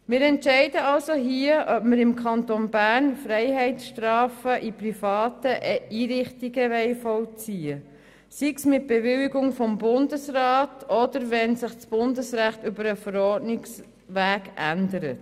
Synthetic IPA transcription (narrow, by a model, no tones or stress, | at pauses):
mɪːɾɛntʃɛɪdəɑlsoɦiəʔœpməɾɪmkʰɑntonbæːɾnfɾɛɪɦɛɪtsʃtɾɑːfəʔiprifɑːtəʔʔiːɾɪχtiɡəʋɛɪfɔwt͡siːə | siksmɪt̚b̥evɪliɡʊŋfɔmbʊndəsrɑːtɔdəɾvɛnsɪχt͡sb̥ʊndəsræχtʏbəɾəfəɾɔːɾdnɪks | ʋæːɡʔændəɾət